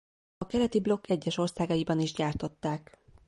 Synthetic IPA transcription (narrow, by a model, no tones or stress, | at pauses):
ɒkɛlɛt̪iblo̞kʰːɛɟːɛʃo̞rsaːɡɒjibɒniʒɟaːrt̪o̞t̪ːaːk